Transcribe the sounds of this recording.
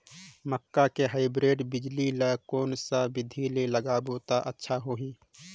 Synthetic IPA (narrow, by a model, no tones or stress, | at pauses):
məkːakeɦaːɪbɾeːʈbɪd͡ʒliləkoːnsabɪd̪ʱileləɡaboːt̪aʔətːʃʰaɦoːɦiː